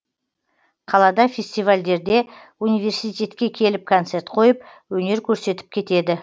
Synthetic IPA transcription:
qʰɑlˠɑd̪ɑfʲe̞sʲt̪ijvalʲd̪e̞ɾd̪e̞ | unijve̞ɾsijt̪ʲe̞t̪kʲe̞kʲʰe̞lɪp̚kʰont̪se̞ɾt̪qʰo̞jəp̚ | wɵne̞ɾkʲʰɵɾse̞t̪ɪ̥p̚kʲʰe̞t̪e̞d̪ɪ

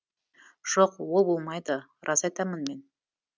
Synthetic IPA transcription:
ʒ̥oqwo̞lˠbolˠmɑjd̪ə | rʔɑsɑjt̪ɑmənme̞n

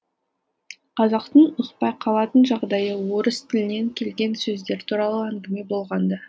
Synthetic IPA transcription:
qʰɑzɑqt̪əɴʊqpɑjqʰɑlˠɑt̪ənʒɑʁd̪ɑjəwo̞ɾəst̪ʰɪlɪne̞ŋkʲʰe̞lɡʲe̞nsɵzd̪e̞ɾt̪ʰuɾɑlˠəæŋɡʲɪme̞bo̞lˠʁɑnd̪ə

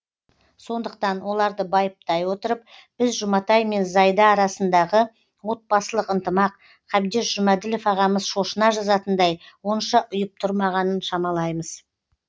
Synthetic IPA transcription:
so̞nd̪əqt̪ɑnwo̞lˠɑɾd̪əbɑjəp̚t̪ɑjwo̞t̪əɾəp̚b̥ɪzʒʊmɑt̪ɑjme̞nzɑjd̪ɑːɾɑsənd̪ɑʁə | wo̞t̪̚bɑsəlˠəqənt̪əmɑq | qʰɑbd̪e̞sʒ̥ʊmæd̪ɪlo̞fɑʁɑməzʃo̞ʃənɑʒɑzɑt̪ənd̪ɑjwo̞nʃɑʔʊjəp̚t̪ʰʊɾmɑʁɑnənʃɑmɑlˠɑjməz

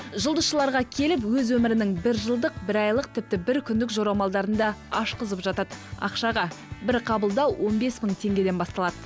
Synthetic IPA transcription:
ʒəʊlˠd̪əsʃəlˠɑɾʁɑkʲʰe̞lɪpwɵzwɵmɪɾɪnɪŋbɪɾʒəlˠd̪əq̚bɪɾɑjlˠəq̚t̪ʰɪp̚t̪ɪbɪɾkʲʰʏnd̪ɪkʒoɾɑwmɑlˠd̪ɑɾənd̪ɑɑʃqəzəpʒɑt̪ɑd̪ɑ̰qʃɑʁɑbɪɾqʰɑbəlˠd̪ɑwwo̞nbe̞sməɴt̪ʰe̞ŋɡʲe̞d̪e̞nbɑst̪ɑlˠɑd̪̥ə

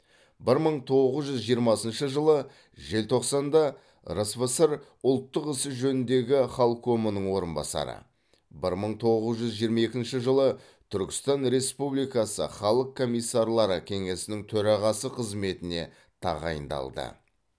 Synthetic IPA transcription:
bɪɾməɴt̪ʰo̞ʁəzʒʏzʒijəɾmɑsənʃəʒəlˠə | ʒe̞lt̪ʰo̞qsɑnd̪ɑ | ɾəsvəsəɾ | ʊlˠt̪ːəqɪsɪʒɵnɪnd̪e̞ɡʲɪχɑlˠqʰːomənəɴwo̞ɾənbɑ̰sɑ̰ɾə̰ | bɪɾməɴt̪ʰo̞ʁəzʒʏzʒijəɾmɑe̞kʲɪnʃɪʒəlˠə | t̪ʰʏɾkʲɪ̥st̪ɑnɾe̞spublijkɑsə̰χɑlˠəqʰːo̞mijsːɑɾlˠɑɾəkʲʰe̞ŋe̞sɪnɪŋt̪ʰɵɾɑʁɑsəqʰəzme̞t̪ɪne̞̰ | t̪ʰɑ̰ʁɑ̰jə̰nd̪ɑ̰lˠd̪ə̰

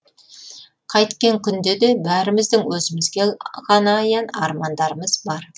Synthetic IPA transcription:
qʰɑjt̪kʲe̞ŋkʲʰʏnd̪e̞d̪e̞bæɾɪmɪzd̪ɪŋwɵzɪmɪzɡʲe̞ʁɑnɑjɑnɑɾmɑnd̪ɑɾəməzbɑɾ

